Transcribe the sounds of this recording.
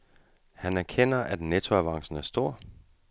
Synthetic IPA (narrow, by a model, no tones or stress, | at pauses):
hænæɐkʰen̰ɐʔæd̥net͡sʰoæʋɑ̈ŋ̰sn̩æɐsd̥o̝ɐ̰